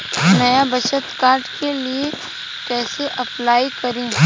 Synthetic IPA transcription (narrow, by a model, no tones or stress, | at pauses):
nɐjabɐʃət̪kaːɾɖkelie | kɛːseʔɐplaːikɐɾẽ